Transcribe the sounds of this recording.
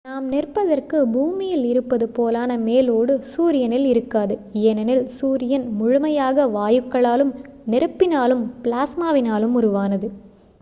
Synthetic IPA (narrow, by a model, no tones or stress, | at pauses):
naːmnɪrpɐðɐrkɯbuːmɪjɪlɪɾɯpːɐðɯpoːlaːnɐmeːloːɽɯsuːɾɪjɐnɪlɪɾɯkːaːðɯɛnɐnɪlsuːɾɪjɐnmʊɻʊmɐjaːɣɐʋaːjɯkːɐɭaːlɯm | nɪɾɯpːɪnaːlɯmplaːsmaːʋɪnaːlɯmʊɾʊʋaːnɐðɯ